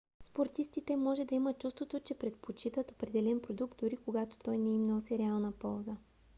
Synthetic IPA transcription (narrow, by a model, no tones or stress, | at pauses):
spoɾt̪ist̪it̪ɛmɔʒɛd̪ɐimət̪̚t͡ʃust̪vot̪ot͡ʃɛpɾɛt̪̚pot͡ʃit̪ət̪opɾɛd̪ɛlɛnpɾod̪uk̚d̪̚d̪ʊɾikoɡat̪o̥t̪ɔjnɛimnosɛɾialˠnəpɔlˠzə